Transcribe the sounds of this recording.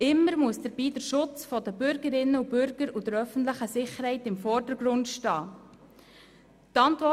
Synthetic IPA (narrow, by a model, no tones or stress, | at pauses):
ɪmːəɾmuəsd̥əɾb̥iːdəɾʃʊt͡sfɔdəbʏɾɡəɾɪnːəubʏɾɡ̥əɾud̥əɾœfən̩tləχəsɪχəɾhɛɪtɪmfɔːɾd̥əɾɡɾʊndʃtɑː | tɑntʋɔ